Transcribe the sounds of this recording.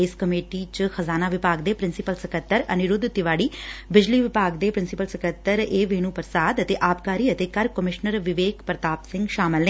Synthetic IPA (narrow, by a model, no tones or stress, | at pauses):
ɪskəmeːʈit͡ʃəxəzaːnaːʋɪpaːɡd̪eːpɾɪnsɪpəlsəkət̪ːəɾɐnɪɾʊd̪t̪ːɪʋaːɽiːbɪd͡ʒliːʋɪpaːɡd̪eːpɾɪnsɪpəlsəkət̪ːəɾeːʋeːnũːpəɾsaːd̪ət̪eːʔaːpkaːɾiːət̪eːkəɾkəmɪʃnəɾʋɪʋeːkpɾət̪aːpsɪ̃ŋɡʃaːmɪlnə̃